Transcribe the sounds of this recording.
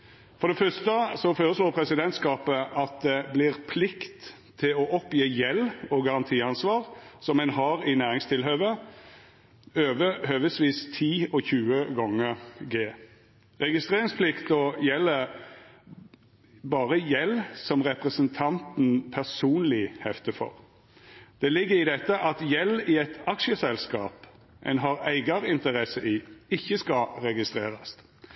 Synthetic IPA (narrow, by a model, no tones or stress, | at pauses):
fɔʁd̪ɛfœst̪əsɔføːʁəsloːʁpʰɾɛsɪd̪ɛnt̪skɑːpəʔɑt̪̚d̪ɛblɪʁpʰlɪkt̪ʰː | ɪlɔʔɔpjeːjɛlɔɡɑʁɑnt̪ʰiːɑnsʋɑːʁsɔmɛnhɑɾɪnæːʁɪŋst̪ʰɪlɦøːʋə | øːʋəhøːʋəsʋiːst̪ʰiːɔçʉːəɡɔŋːəɡeː | ʁɛɡɪst̪ʁeːɾɪŋspʰlɪkt̪ɔjɛlːə | bɑːʁəjɛlːsɔmʁɛpʁɛsənt̪ʰɑnt̪n̩pʰæʁsuːnlɪhɛft̪əfɔ̰ʁ | d̪̥ɛlɪɡːəɪd̪ɛt̪ːəʔɑt̪jɛlːɪɛt̪ɑkʃəsɛlskɑːp | ʔɛ̰nɦɑːɾæɪɡɑɾɪnt̪əɾɛsəʔɪɪçːəskɑɾɛɡɪst̪ʁeːɾɑs